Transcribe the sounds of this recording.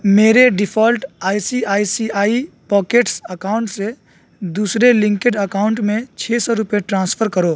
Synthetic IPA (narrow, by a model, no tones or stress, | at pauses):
meːɾeɖɪpʰɔːlʈaːisiaːisiaːipɔːkeʈsəkaːʊɳʈse | d̪uːsɾelɪ̃ŋkeɖəkaːʊɳʈmẽt͡ʃʰeːsɔɾʊpjeʈɾãːnspʰəɾkəɾoː